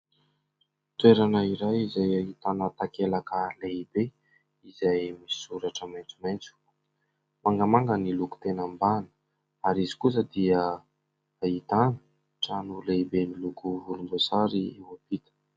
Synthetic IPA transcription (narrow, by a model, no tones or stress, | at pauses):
t̪weɾanəiɾajizajait̪anət̪akelakəleibe | izajmi̥suɾaʈ͡ʂəmajnt͡sumajnt͡su̥ | maŋɡəmaŋɡəniluku̥t̪enəmbanə̥ | aɾizi̥kus̬əd̪iə | ait̪anə̥ | ʈ͡ʂanuleibenilukuvulumbosaɾiewab̥it̪ə̥